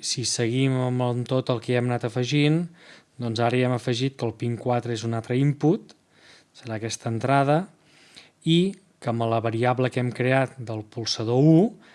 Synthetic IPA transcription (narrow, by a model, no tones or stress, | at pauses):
sisəɣiməmənt̪ot̪əlˠkɛɛmnat̪əfəʒind̪ɔnzaɾəiɛməfəʒit̪̚kəlˠpiŋkwat̪ɾəezunat̪ɾəimput̪ | səɾaəkɛst̪ənt̪ɾað̞ə | i | kəmələβəɾiabləkɛmkɾeat̪̚d̪əlˠpulˠsəðou